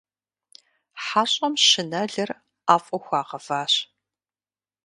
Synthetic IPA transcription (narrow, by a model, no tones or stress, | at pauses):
ħaːɕʼɐmʃɨnɐɮɐr | aːfʼɔxʷaːqɐfaːɕ